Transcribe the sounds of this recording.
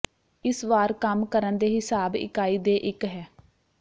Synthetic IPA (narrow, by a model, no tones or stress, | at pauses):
ɪsʋaːɾkəmkəɾənd̪eːɦɪsaːbɪ̰kaːiːd̪eːʔɪkɦɛː